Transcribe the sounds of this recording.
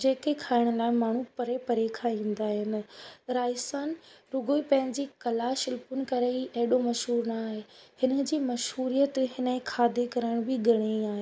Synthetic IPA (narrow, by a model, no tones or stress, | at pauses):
d͡ʑeːkekʰaːɪɽ̃ʊlaːɪmaːɳ̤ũpɐɾepɐɾekʰaĩːn̆d̪aːɦɪnɪ̆ɾaːɪsaːnɾʊɡoːipɐ̃ɦɪ̃ɲd͡ʑiːkɐlaʃɪlpʊnkɐɾeiʔɐɦɪɗomɐʃɦuːɾnaːɦeːhɪnə̆d͡ʑiːmɐʃɦuːɾijət̪ɦɪnẽkʰaːd̪ʱekɐɾəɪɽ̃bɪɡʱɐɽ̃eiaːɦeː